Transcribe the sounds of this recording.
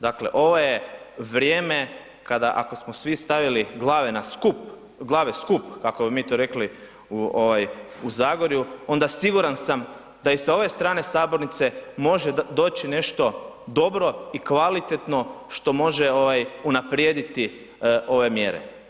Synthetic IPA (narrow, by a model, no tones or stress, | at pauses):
d̪akleʔo̞ʋo̞je | ʋɾjeːme̞ | kad̪aʔa̰ko̞smosʋist̪aʋiliɡlˠaːʋe̞naskup | ɡlˠaːʋeskupkako̞bimiːt̪oɾe̞kli | uoʋajuzaːɡoɾjuo̞nd̪asiɡuɾansam | d̪aisao̞ʋe̞st̪ɾaːne̞saːbo̞ɾnit̪se̞mo̞ʒed̪o̞ːt͡ʃine̞ʃt̪o̞d̪o̞bɾo̞ikʋalit̪et̪no̞ʃt̪o̞mo̞ʒeo̞ʋajunapɾjed̪it̪i | o̞ʋe̞mje̞̰ɾḛ